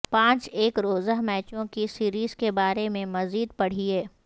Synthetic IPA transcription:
pãːt͡ʃeːkɾoːzəɦmɛːt͡ʃõkisiːɾiːz̥kebaːɾemẽmɐziːd̪̚pɐɽ̤ieː

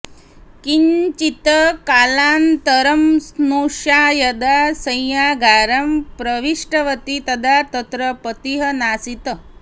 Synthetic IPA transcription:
kiɲt͡ʃit̪əkaːlaːnt̪ɐɾɐmsnuːʂaːjɐd̪asɐ̃jjaɡʱaːɾɐmpɾɐʋiʂʈɐʋət̪it̪ɐd̪ʱat̪ɐt̪ɾəpət̪iɦɐnaːsit̪ə

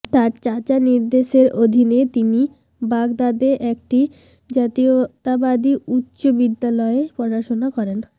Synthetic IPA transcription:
t̪aɾt͡ɕat͡ɕaniɾd̪eʃeɾod̪ʱinet̪ini | baɡd̪ad̪eʔɛk̚ʈi | d͡ʑat̪iot̪abad̪iutːɕobid̪ːalɔeepɔɾaʃonakɔɾen

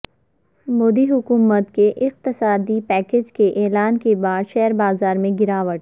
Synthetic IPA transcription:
moːd̪iɦʊkuːmət̪keʔɪq̚t̪ɪsaːd̪ipɛːkeːd͡ʒkeʔɛːlaːnkebaːd̪ʃɛɦəɾbaːzaːɾmẽɡɪɾaːʋəʈ

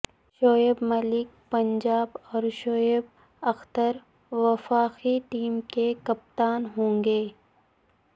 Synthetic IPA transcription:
ʃoːebmɐlɪk̚pɐɲd͡ʒaːbɔːɾʃoːeb | ɐxt̪əɾ | ʋɐfaːqiʈiːmkekɐp̚t̪aːnɦõːŋɡeː

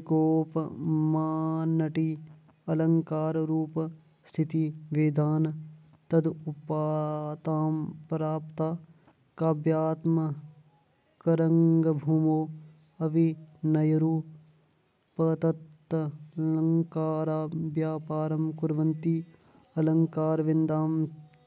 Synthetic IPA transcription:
koːpmaːnɐʈiː | ɐlɐŋkaːɾɾuːp | st̪ʰit̪iʋeːd̪ʱaːn | t̪ɐd̪upaːt̪aːmpɾaːpt̪aː | kaːbjaːt̪mɐ | kɐɾɐŋɡɐbʱuːmoː | ɐʋinɐjɐɾuː | pɐt̪ɐt̪ːlɐŋkaːɾaːbjaːpaːɾɐmkʊɾʋɐnt̪iː | ɐlɐŋkaːɾʋɪnd̪aːm

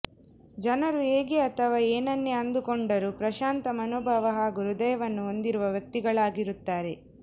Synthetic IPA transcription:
d͡ʒɐnɐɾueːɡeɐt̪ʰɐʋaːeːnɐnːeɐnd̪ukɔɳɖɐɾupɾɐʃaːnt̪ɐmɐnoːbʱaʋɐɦaːɡuɾud̪ɐjɐʋɐnːuo̞nd̪iɾuʋɐʋjɐk̚t̪iɡɐɭaːɡiɾut̪ːaːɾe̞

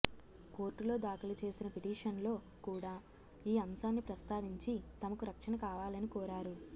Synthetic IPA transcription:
ko̞ːɾʈːulo̞ːd̪aːkulɐt͡ʃe̞ːsinɐpiʈiːʂɐnlo̞ː | kuːɽaː | iːɐmsaːnːipɾɐst̪aːʋiɲt͡ʃit̪ɐmɐkuɾɐkʂɐnɐkaːʋaːlɐnikɔːɾaːɾu

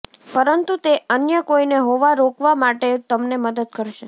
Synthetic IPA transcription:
pəɾənt̪ut̪eənjəkoineɦoʋaɾokʰʋamaʈet̪əmneməd̪əd̪̚kəɾʃe

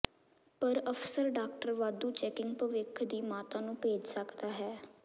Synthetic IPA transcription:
pəɾəfsəɾɖaːkʈəɾʋaːd̪uːt͡ʃɛːkɪŋɡpəʋɪkʰd̪iːmaːt̪ãːnũːpeːd͡ʒsəkd̪aːɦɛː

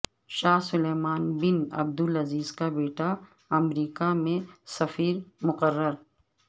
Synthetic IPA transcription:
ʃaːɦsʊleːmaːnbɪnɐ̰b̚d̪ʊlɐziːzkabeːʈa | ɐmɾiːkamẽsɐfiːɾmʊqəɾːəɾ

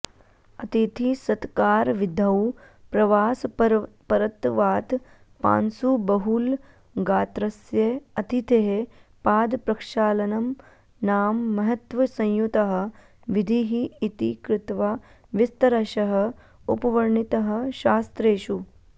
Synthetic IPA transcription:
ɐt̪it̪ʰisɐd̪kaːɾʋid̪ʱɐw | pɾɐʋaːspɐɾɐt̪ʋaːt̪ | pa̰ːnsubɐɦul | ɡaːt̪ɾɐsjɐɐt̪it̪eɦepaːd̪pɾɐkʃaːlɐnɐm | naːmːɐɦɐt̪ʋɐsɐ̃j̃jut̪ɐɦɐ̆ | ʋid̪ʱiɦiːt̪ikɾɪt̪ʋa | ʋist̪ɐɾɐʃɐɦɐ | upɐʋɐɾɳit̪ɐɦɐ̆ʃaːst̪ɾeːʃu

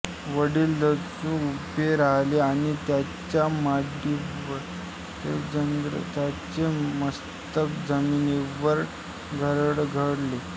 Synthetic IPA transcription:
ʋəɽiːlːəsũupeɾaɦleaɽ̃it̪ja | t͡ɕjamaɖiʋəɾ | t̪ed͡ʑənɡɾə̰t̪jat͡ɕeməs | t̪əkd͡zəmineʋəɾ | ɡʱəɾəɽɡʱəɽle

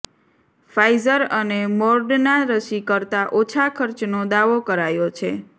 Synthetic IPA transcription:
fajzəɾənemɔɾɖnaɾəʃikəɾt̪aʔot͡ʃʰakʰəɾt͡ʃnod̪aʋokəɾajot͡ʃʰe

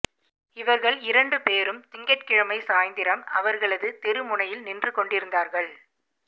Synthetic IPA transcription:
ɪʋɐɾɣɐɭɪɾɐɳɖɯpeːɾɯmt̪ɪŋɡɐʈkɪɻɐmɐɪsaːjnd̪ɪɾɐmɐʋɐɾɣɐɭɐðɯt̪ɛɾɯmʊɳɐjɪlnɪndrɯkɔɳɖɪɾɯnd̪aːɾɣɐɭ

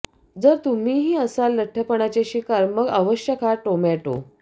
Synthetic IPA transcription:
d͡zəɾt̪um̤iːɦiːəsalːəʈʰːəpəɳ̃at͡ɕeɕikaɾməɡaʋəɕjəkʰaʈomɛʈo̰

